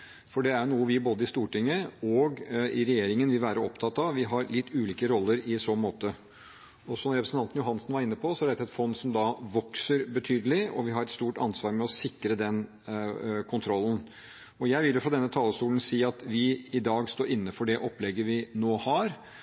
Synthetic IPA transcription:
fɔɖɛæɾɳuːəʋɪboːd̪əɪst̪uːʈɪŋːəɔɡɪɾɛjeːɾɪŋənʋɪʋæːɾəɔpt̪ʰɑt̪ːɑʋʋɪɦɑɾlɪt̪ʰːʉːliːkəɾɔlːəɾɪsɔmoːt̪ə | ɔsɔmɾɛpɾsn̩t̪ɑnt̪njʊɦɑnsnʋɑɾɪnːəpʰɔsɔæɖɛt̪ʰɛt̪fɔnːsɔmd̪ɑʋɔksəɾbət̪ʰyːd̪əlɪɔʋɪɦɑɾɛt̪st̪uːʈɑ̰nsʋɑːɾmɛɔsɪkɾəd̪ɛn | kʰʊnt̪ʰɾɔlːn̩ | ɔjæɪʋɪljʊfɾɑd̪ɛnːət̪ʰɑːləst̪uːln̩siːɑt̪ʋɪɪd̪ɑːɡst̪oːɾɪnːəfɔɖɛʔɔpːlɛɡːəʋɪnoːhɑɾ

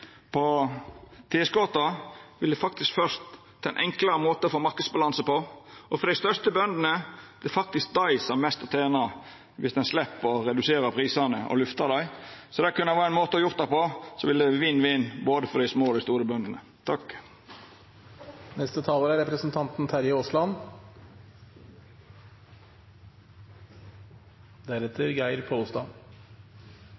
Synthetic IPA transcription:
pʰɔ | t̪ʰɪːskɔt̪ɑʋɪld̪ɛfɑk̚t̪ɪskfœɾʂt̪ːʰ | ɛnʔɛŋkləɾəmoːt̪əɔfoːmɑɾkəd̪sbɑlɑnsəpɔʔɔfɔɾd̪æɪst̪œt̪əbœnd̪ənəd̪̥ɛfɑk̚t̪ɪsk̚d̪ɑɪsɑmɛst̪ɑt̪ʰeːnɑ | ʋɪsd̪ɛnslɛpːɔɾɛd̪ʉseːɾəpʰɾiːsɑnəʔɔ̰lʉft̪ɑd̪æɪsɔd̪ɛkʉnːəʋæːɾɛnmoːt̪əɑjʊɾt̪̚d̪æɪpɔsɔʋɪld̪ɛʋinːʋinboːd̪əfɔd̪æɪsmoːɔd̪æɪst̪uːɾəbœnd̪ənə | t̪ʰɑk | nɛst̪ət̪ʰɑːloːɾæɾɛpɾəsn̩t̪ʰɑnt̪n̩t̪ʰæɾjəoslɑn | d̪æɾɛt̪ʰəɾɡæɪɾpʰɔʊst̪ɑ

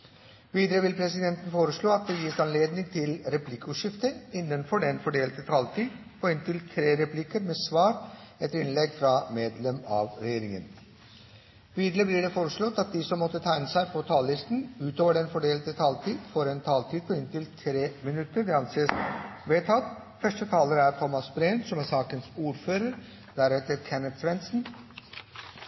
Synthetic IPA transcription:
ʋiːd̪əɾəʋɪlpʰɾɛsɪd̪ɛnt̪ən̩foːɾəʂɭoːɑt̪̚d̪ɛjiːsɑnleːd̪nɪŋt̪ʰɪlɾɛpʰlɪkːəʉːʂɪft̪əɪnːənfɔɖɛnfɔɖeːlət̪ət̪ʰɑlt̪ʰiːpʰɔɪnt̪ʰɪlt̪ʰɾeːɾɛpʰlɪkəɾmɛːsʋɑːɾɛt̪ːəɾɪnlɛɡːfɾɑmeːd̪lɛmɑ̰ːʋɾɛjeːɾɪŋən | ʋiːd̪ləblɪɖɛfoːɾəʂɭɔt̪ːɑt̪̚d̪ɪsɔmːɔt̪ːət̪ʰæɪnəsæɪpʰɔt̪ʰɑːlːɪst̪n̩ʉːt̪oːʋəɖɛnfɔɖeːlət̪ət̪ʰɑːlt̪ʰiːd̪fɔɾɛnt̪ʰɑːlt̪ʰiːd̪̚pʰɔɪnt̪ʰɪlt̪ʰɾeːmɪnʉt̪ːəɾɖ̪ɛɑnseːsʋeːt̪ʰɑt̪ː | fœʂʈət̪ʰɑːləɾæɾt̪ʰɔmɑsbɾeːnsɔmæsɑːkənsuːɾføːɾəɾ | d̪æɾɛt̪əɾkʰɛnət̪sʋɛnsn̩

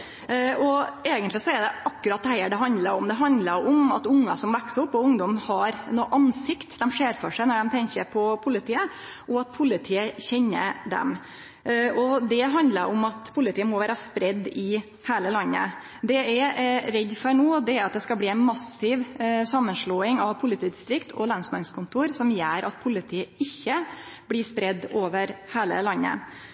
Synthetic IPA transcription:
ɔeːɡənt̪lɪsɔɛd̪ɛʔɑkːʉɾɑt̪ʰːæɪəɖɛɦɑnd̪ləɾɔmd̪ɛɦɑnd̪ləɾɔmɑ̰t̪ʊŋːɑsɔmʋɛksʊpːɔʊŋd̪ɔmhɑɾnoːʔɑnsɪkt̪d̪ɛmʂeːɾfɔʂæɪnɔɖɛmt̪ʰɛŋkəɾpʰɔpʰʊlɪt̪ʰiːə | ʔɔɑt̪̚pʰʊlɪt̪ʰiːəçɛɲːə̰d̪ɛ̰m | ɔd̪ɛɦɑnd̪lə̰ɾʔɔmɑt̪pʰʊlɪt̪ʰiːəmɔʋæːɾəspɾɛd̪ːɪ | hæːləlɑnːə̰ | d̪ɛɛɾɾɛd̪ːfɔɳuːd̪ɛæɾɑt̪̚d̪ɛskɑbliːɛɪnmɑsɪʋsɑmːənʂɭoːɪŋɑʋpʰʊlɪt̪ʰiːd̪ɪst̪ɾɪkt̪ʰɔlɑnsmɑnskʰʊnt̪ʰuːɾsɔmjæːɾʔɑt̪̚pʰʊlːɪt̪ʰiːəɪçːə | blɪːspɾɛd̪ːoːʋəɾhæːlə̰lɑnːə̰

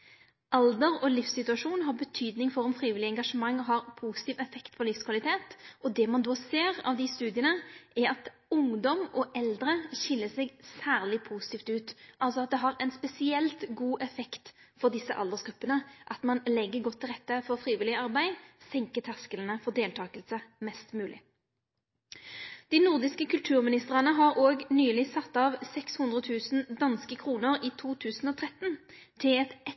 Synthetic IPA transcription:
ʔɑld̪əʁɔlɪfsɪt̪ʉɑʂuːnɦɑʁbət̪ʰyːd̪nɪŋfɔɾɔmfɾiːʋɪlɪɛŋɡɑʂəmɑŋːɔɦɑʁpʰuːsɪt̪iːʋɛfɛkt̪pʰɔlɪfskʰʋɑlɪt̪ʰeːt̪ɔd̪ɛmɑnd̪oːseːʁɑ̰ʋd̪ɪst̪ʉːd̪ɪənəʔæɾɑt̪ | ʊŋd̪ɔmʔɔʔɛld̪ɾəʃɪlːəsɛɡsæːʁlɪpʰuːsɪ̥t̪iːft̪ʉːt̪ʔɑlsɔɑt̪̚d̪ɛɦɑɾɛnspɛsɪɛlt̪ɡuːʔɛfɛkt̪fɔʁd̪ɪsːəʔɑld̪əʁsɡ̥ɾʉpːənəʔɑt̪mɑnlɛɡːəɡɔt̪ʰːɪlʁɛt̪ːəfɔʁfʁiːʋɪlɪəɑʁbæɪsɛŋkət̪ʰæskəln̩əfɔʁd̪eːlt̪ʰɑːkəlsəmɛst̪mʉːlʔɪ̰ | d̪̥ɪnʊʁd̪ɪskəkʰʉlt̪ʰʉːʁmɪnɪst̪əʁənəɦɑʁoːɡnyːlɪsɑt̪ːɑːʋsɛkshʉnd̪ʁət̪ʰʉːsn̩d̪ɑnskəkʰʁuːnəʁiːt̪ʰuːt̪ʰʉːsn̩ɔt̪ʰʁɛt̪ːnt̪ʰɪlɛt̪ɛ

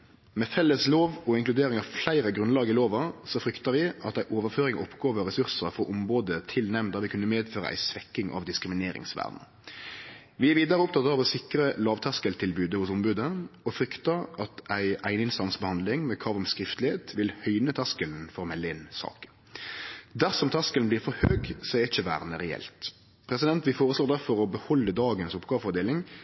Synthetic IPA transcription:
mɛfɛlːəsloːʋɔɪŋklʉd̪eːɾɪŋɑʋflæɪɾəɡʁʉnlɑːɡəɪloːʋɑsɔfɾʏkt̪ɑʋɪʔɑt̪æɪʔoːʋəʁføːɾɪŋʔɔpːɡoːʋəʁɛsʉʁsəfɔɾʔʊmʁoːd̪ət̪ʰɪlnɛmnd̪ɑʋɪkʉnːəmeːd̪føːʁə̰ʔæ̰ɪsʋɛkːɪŋʔɑ̰ʋd̪ɪskɪmɪneːɾɪ̰ŋsʋæ̰ːʁd̪nə | ʋɪæʋiːd̪ɑʁəɔpt̪ɑt̪ɑːʋɔsɪkɾəlɑːʋt̪ʰɑskəlt̪ʰɪlbʉːd̪əhʊsʊmbʉːd̪əɔfɾʏkt̪ɑɑt̪æɪæɪnəɪnsɑnsbəhɑnd̪lɪŋmɛkʰɾɑːʋɔmskɾɪft̪lɪheːt̪ʋɪlhœʏnət̪ʰɑskəln̩fɔʁɔmɛlːəɪnsɑ̰ːkə̥ | d̪æʁsɔmt̪ʰɑskəln̩b̪iːʁfɔɾhøːɡsɔɛɪçəʋæ̰ːʁnəʁɛɛ̰lt̪ | pʰʁɛsɪd̪ɛnt̪ʋɪfoːʁəsloːd̪æʁfɔʁɔbəhɔlːəd̪ɑːɡənsʊpɡɑːʋəfɔd̪eːlɪŋ

